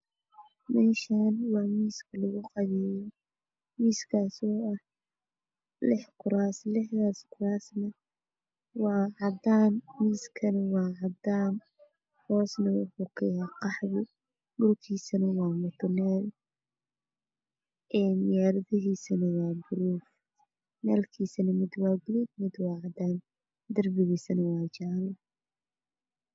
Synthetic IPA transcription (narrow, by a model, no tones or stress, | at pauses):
mɛːʃaːnwɑːmiːskʰɐlɐɣʊqɑβɛj | miːskʰaːsɔːɐh | lɪħkʰʊɾaːslɪħðaːskʰʊɾaːsnɐ | wɑːʕɑd̪aːnmiːskʰɐnɐwɑːʕɑd̪aːn | hɔːsnɐwʊ̰ħuːkʰɛjaqɑħðɪ | ɖʊlkʰiːsɐnɐwɑːmʊt̪ʰɔnɛːl | ɛːnjaːɾɐðɐɦiːsɐnɐwɑːbʊluf | nɛːlkʰiːsɐnɐmɪd̪wɑːɡʊluːdmɪd̪wɑːʕɑd̪aːn | d̪ɐrbɪɣiːsɐnɐwɑːt͡ʃaːlɪ